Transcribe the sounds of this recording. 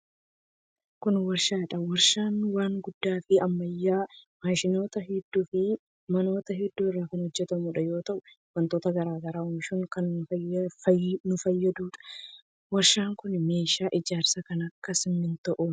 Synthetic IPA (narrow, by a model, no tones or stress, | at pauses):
kʊnwɐɾʃaːᶑɐwɐɾʃaːnwaːŋɡʊd̪ːaːfɪɐmːɐjːaːmaːʃɪno̞ːt̪ɐɦɛd̪ːuːfɪ | mɐno̞ːt̪ɐɦɛd̪ːuːɪrːaːkɐnhɔd͡ʒːɛt̪ɐmuːᶑɐjo̞ːt̪ɐʔʊ | wɐnt̪o̞ːt̪ɐɡɐɾaːɡɐɾaːʊmʃʊŋkɐnː | nʊfɐjːɐd̪uːᶑɐ̥ | wɐɾʃaːŋkʊnmeːʃaːʔɪd͡ʒaːɾsɐkɐnɐkːɐsɪmːɪnt̪ɐʔu